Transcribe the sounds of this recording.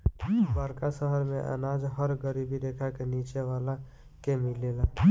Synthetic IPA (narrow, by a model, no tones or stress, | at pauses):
baɾkasəɦəɾmẽʔə̰naːd͡ʒɦəɾɡəɾiːbid̪eːkʰakeniːt͡ʃeʋaːla | kemɪleːlaː